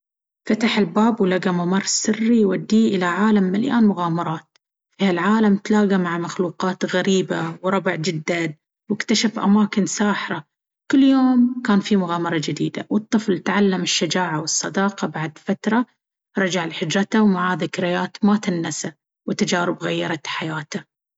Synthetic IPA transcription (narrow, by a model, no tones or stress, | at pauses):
fat̪aħɪlbaːbwlaɡamamɑrˤsɪrːijwad̪ːiːʔɪlaʕaːlamːalja̰ːnmʊɣaːmɑɾˤɑːt̪̚ | fihalʕaːlamt̪laːɣamaʕamaxluːqɑːt̪ɣaɾiːbawɾˤɑbɪʕd͡ʒɪd̪ːan | wɪkt̪aʃafʔa̰maːkɪnsaːħɾˤɑ | kɪlːjoːmkaːnfimʊɣaːmɑɾˤɑd͡ʒɪd̪ḭːd̪a̰wɨt̪ˤːɨflt̪ʕalːamɪʃːad͡ʒaːʕawɨsˤːɑd̪ɑːqɑbaʕd̪fat̪ɾˤɑ | ɾˤɑd͡ʒaʕlħɪd͡ʒɾˤɑt̪awmaʕaðɪkɾɪjaːt̪mat̪ɪnːasa | wɪt̪ad͡ʒaːɾɪbɣajːɑɾˤɑt̪ħajaːt̪a